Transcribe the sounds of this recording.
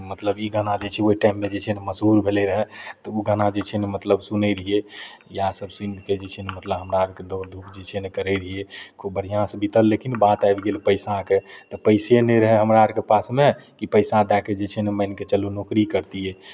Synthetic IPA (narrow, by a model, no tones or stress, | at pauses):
mət̪ləbiɡənad͡ʒet͡ʃʰɛoiʈaimːed͡ʒet͡ʃʰɛneməsɦuɾbʱeleɾəɦɛt̪ɔuɡanad͡ʒet͡ʃʰɛnemət̪ləbsunəɾəɦijejasəbsĩnd̪ʱked͡ʒet͡ʃʰɛnemət̪ləbɦəmɾaəɾked̪od̪ʱukd͡ʒet͡ʃʰɛnekəɾəɾəɦijekʰobəɾijãsbit̪əlːekinbãt̪ajbɡelpəɪsãket̪ɔpəɪseneɾəɦɛɦəmɾaəɾkepasmekipəɪsãd̪ɛked͡ʒet͡ʃʰɛneməɪnket͡ʃəlunokɾikəɾt̪iɛ